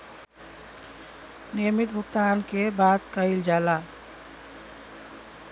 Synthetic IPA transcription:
nijəmit̪̚bʱukt̪ankebat̪kəɪld͡ʒaːla

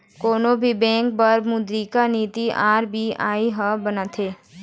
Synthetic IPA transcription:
koːnobʱibɛ̃ːkbəɾmʊd̪ɾikaniːt̪iaːɾbʱia̰ːiɦəbənat̪ʰeː

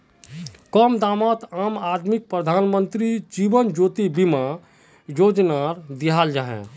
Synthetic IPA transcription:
kɔmd̪amat̪amad̪mik̚pɾəd̪ʱanmənt̪ɾid͡ʒibənd͡ʒot̪ibima | jod͡ʒnaɾd̪iɦald͡ʒaɦɛ̰̃

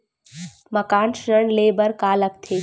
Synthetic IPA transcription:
məkaːnʃɾəɳleːbəɾkaːlək̚t̪ʰeː

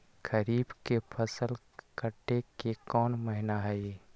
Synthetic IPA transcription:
kəɾiːbkepʰəsəl | kəʈːekekɔːnməɦɪnaɦɛj

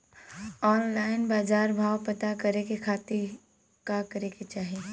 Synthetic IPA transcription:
ɔːnlaːɪnbaːd͡ʒaːɾbʱaːʋpɐt̪akɐɾekekʰaːt̪ɪɾ | kakɐɾeket͡ʃaːɦie

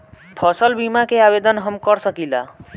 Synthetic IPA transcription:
pʰʌsəlbimakeabed̪ənɦəmkəɾsəkila̰

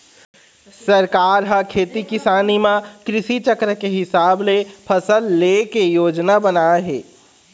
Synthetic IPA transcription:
sɐɾkaːɾɦɐkʰeːt̪ikɪsaːnimãkɾɪʃit͡ʃəkɾəkeɦɪsaːblepʰɐsəlːeːkejoːd͡ʒnabɐnaːɦeː

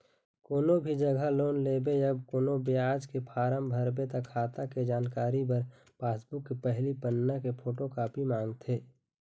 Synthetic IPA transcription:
koːnobʱid͡ʒɐɡʱaloːnleːbejɐbkoːnobejaːd͡ʒkepʰaːɾəmbʱɐɾbet̪akʰːaːt̪aked͡ʒaːnkaːɾibəɾ | paːsbʊkːepɛɦlipənːakepʰoːʈokaːpimãːŋɡt̪ʰeː

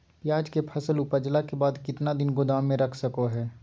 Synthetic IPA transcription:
pjaːd͡ʒkepʰɐsəlʊpəd͡ʒlakebaːd̪kɪt̪nad̪ɪnɡʊd̪aːmːẽɾɐkʰsəkoɦɛː

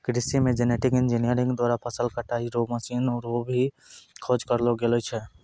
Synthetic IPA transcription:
kɾɪsimẽd͡ʒeneʈɪkɪnd͡ʒinijəɾɪ̃ŋɡd̪waːɾapʰəsəlkəʈaiɾoməsinɔɾobʱi | kʰod͡ʒkəɾloɡelot͡ʃʰɛ

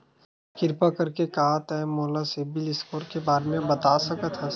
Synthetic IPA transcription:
kɪɾpakɐɾkekaːɦt̪ɛmoːlasebɪlɪskoːɾkebaːɾemẽbɐt̪aːsɐkət̪ʰɦɛ

